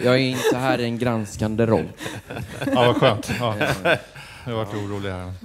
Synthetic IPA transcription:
jɑːɡæɾɪnt̪əəɦæːɾɪɛnɡɾanskand̪əɾɔ̰lː | avaɧøːnt̪ː | avaʈːuːɾuːlɪɡaɳə

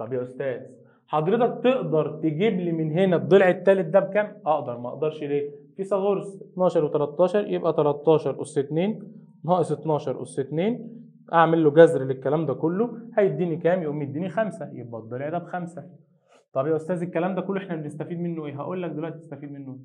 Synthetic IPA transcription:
t̪ˤɑbjæʔost̪æːz | ħɑd̪ˤɾet̪ɑk̚t̪eʔd̪ɑɾˤt̪eɡiːbliːmenɦenæd̪ˤːelʕet̪ːæːlet̪̚d̪æb̚kæːmʔɑʔd̪ɑɾˤmæʔɑ̰ʔd̪ɑɾˤʃleːfisˤɑɣoɾsʔet̪nɑːʃɑɾˤwet̪ælæt̪ˤːɑːʃɑɾˤjebʔæt̪ælæt̪ˤːɑːʃɑɾˤʔoset̪neːn | nhɑːʔeset̪nɑːʃɑɾˤʔo̰sːet̪neːn | ʔaʕmelːoɡæzɾlekːælæːmd̪ækolːohæjed̪ːiːnikæːmjeʔomːid̪ːiːnixæmsæjeb̚ʔæd̪ˤːelʕed̪æbxæmsæ | t̪ˤɑbjæʔost̪æːzekːælæːmd̪ækolːʔeħnæbenest̪æfiːd̪menːoʔeːɦæ̰ʔuːlːæk̚d̪elwæʔt̪ie̥st̪æfiːd̪menːoe

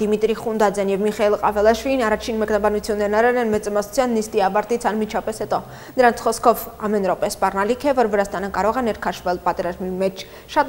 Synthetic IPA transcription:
d̪̥imit̪ɾiχund̪ɑd͡zjɑnjɛvmiχɑilˠqɑvɛlɑʃviinɑrɑt͡ʃʰinmɛknɑbɑnut͡sʰjunːɛɾnɑɾɛlɛnmɛt͡sɑmɑsu̥t͡sʰjɑnːist̪iɑvɑɾt̪it͡sʰɑnmit͡ʃʰɑpɛshɛt̪ɔ | d̪əɾɑnt͡sʰχɔskʰɔvɑmɛnɾɔpɛspɑrnɑlikʰɛvɔɾvəɾɑst̪ɑnəkɑɾɔʁɛnɛɾkʰɑʃvɛlpɑt̪ɛɾɑzmimɛt͡ʃʰ | ʃɑt̪

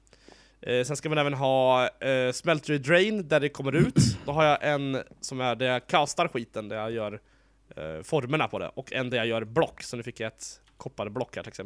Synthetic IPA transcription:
sɛnskamanɛːvənɦɑː | smɛlt̪ɾɪd̪ɾɛjnd̪æɖɛkʰɔmːəɾʉ̟ːt̪d̪̥ɔɦaɾjaʔɛnsɔmæɖɛjakʰast̪aɾɧiːt̪ənd̪æɾjajœːɾ | fɔɾməɳapʰɔd̪ɛ̰ʔɔkʰːɛnd̪æɾjajœːɾblɔkːsɔnʉfɪkːjaɛt̪ | kʰɔpːad̪əblɔkːhæːʈʰɪlɛksɛm

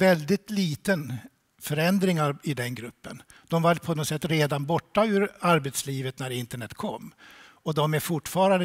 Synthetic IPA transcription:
vɛld̪ɪt̪liːt̪ən | fœɾɛnd̪ɾɪŋaɾɪd̪ɛnɡɾɵpːə̰n | d̪ɔmvapʰɔnɔsɛt̪ːɾeːd̪anbɔʈːaʉ̟ːɾaɾbɛt̪sliːvət̪næɾɪnt̪əɳɛt̪ːkʰɔ̰mː | ɔd̪ɔmæɾfʊʈfɑːɾand̪ə

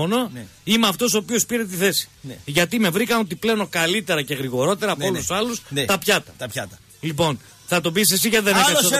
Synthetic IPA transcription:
ono̞imeɐft̪o̞so̞ːpio̞spiɾe̞t̪̬iθe̞si̥ʝɐt̪ime̞vɾikɐno̞t̪̬iple̞onokɐlit̪e̞ɾɐce̞ɣɾiɣo̞ɾo̞t̪e̞ɾɐːpoolusɐlust̪ɐpçɐt̪ɐt̪ɐpçɐt̪ɐ | lipo̞n | θɐt̪o̞bisesiʝɐt̪iðenefo

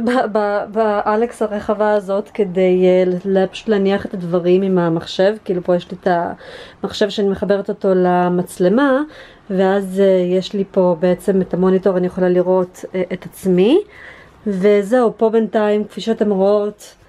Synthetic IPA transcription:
bababaʔaleksaʁeχavaːzo̞tkedejllpḁʃu̥tlaniaχetadvaʁimimamaχʃe̞vkiiːlupo̞jeʃlitamaχʃe̞vʃeanimeχabe̞ʁeto̞to̞lamat͡sle̞ma | veazejeʃlipo̞beet͡se̞metamo̞nito̞ʁanijeχolaliʁo̞tʔetat͡smi | veze̞upo̞bentaimkfiʃotamʁoot

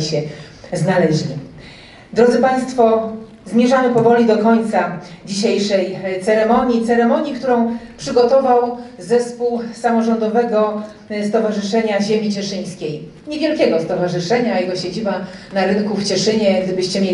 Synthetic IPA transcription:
ɕɛ | znalɛʑlʲi | d̪ɾɔd̪zɘpaj̃st̪fɔ | zmʲjɛʐamɘpɔvɔlʲid̪ɔkɔɲt̪sad͡ʑiɕejʂɛjt̪sɛɾɛmɔɲit̪sɛɾɛmɔɲikt̪uɾɔ̃w̃pʂɘɡɔt̪ɔvawzɛspuwsamɔʐɔnd̪ɔvɛɡɔ | st̪ɔvaʐɘʂɛɲaʑemʲit͡ɕɛʂɘj̃skʲej | ɲevʲjɛlkʲɛɡɔst̪ɔvaʐɘʂɛɲajɛɡɔɕed͡ʑibanaɾɘnkuft͡ɕɛʂɘɲɛɡd̪ɘbɘɕt͡ɕɛmʲje

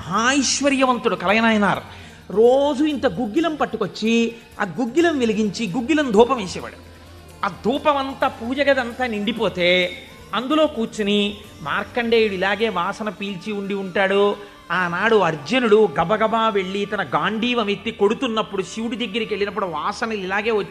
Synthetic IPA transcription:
ɦaːiʃʋɐɾjɐʋɐnt̪uɽukɐlɐjɐnaːjɐnaːɾu | ɾo̞ːd͡ʒuint̪ɐɡuɡːilɐmpɐʈːukot͡ʃːi | ɐ̰ɡuɡːilɐmʋiliɡiɲt͡ʃiɡuɡːilɐmd̪ʱuːpɐmeːsɛːʋa̰ːɽu | ad̪ʱuːpɐmɐnt̪aːpuːd͡ʒɐɡɐd̪ɐnt̪aːniɳɖipo̞ːt̪e̞ː | ɐnd̪ulo̞ːkuːt͡ʃini | maːɾkːɐɳɖeːjuɽuilaːɡe̞ːʋaːsɐnɐpiːlt͡ʃiuɳɖiuɳʈaːɽu | aːnaːɽuɐɾd͡ʒɐnuɽuɡɐbɐɡɐbaːʋe̞ɭːit̪ɐnɐɡaːɳɖʱiːʋɐmet̪ːiko̞ɽut̪unːɐpːuɽuʃiwɽid̪ɐɡːɐɾikie̞ɭːinɐp̬ːuɽuʋaːsɐnɐlilaːɡe̞ːʋɐt͡ʃː

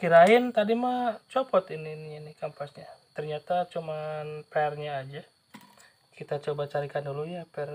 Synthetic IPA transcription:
kiɾaɪnt̪adimat͡ʃɔpɔt̪inininikampasɲat̪ərɲat̪at͡ʃumanpɛrɲaːd͡ʒa | kit̪at͡ʃobat͡ʃaɾikandulujapɛr

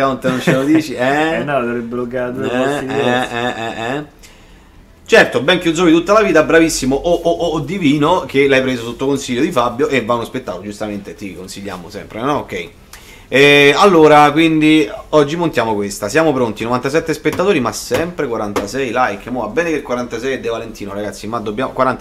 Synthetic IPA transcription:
kaont̪enont͡ʃelod̪iːt͡ʃiɛnɔavɾebːeloɡat̪oɛiɛɛɛɛ | t͡ʃɛrt̪obɛŋkjud̪zoːbit̪ut̪ːalaviːt̪abɾavisːimoʔoʔoʔd̪ːiviːnok̟elajpɾeːzosot̪ːokonsiʎːod̪ifabːjoʔevːanːospet̪ːaːt̪od͡ʒust̪ament̪et̪ikonsiʎːa̰ːmosɛ̰mpɾenɔokːɛi | ɛalːoːɾakwind̪iɔd͡ʒːimont̪jaːmokwest̪asjaːmopɾont̪inovant̪asɛt̪ːespet̪ːat̪oːɾimasːɛmpɾekwaɾant̪asɛjlajkːmɔvabːɛːnekekːwaɾant̪asɛjed̪ːevalent̪iːnoɾaɡat̪sːimad̪ːobːjaːmokwaɾant̪

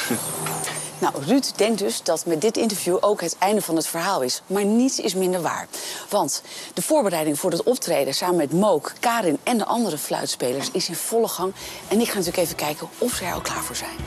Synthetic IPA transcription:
nawrytdɛŋk̚dɵzdɑtmɛt̚dɪtɪntəɹvjuʔowkɦətɛjndəvɑnɦətfəɹɦaːlˠɪsmaːɹnitsɪ̰smɪndəɹʋa̰ːɹʋɑntd̥əv̥ʊːɹbərɛjdɪŋvʊːɹɦətɔp̚trejdəsaːmənmɛtmowkːaːɾɪnɛndəʔɑndəɾəflœ̰ɥtspejləɹsɪsɪnv̥ɔləχɑŋɛnɪkχaːnɐtyːləkejvəkɛjkəɔfsəɛ̰ʔɔ̰lˠkla̰ːɹvʊːɹzɛ̰jn

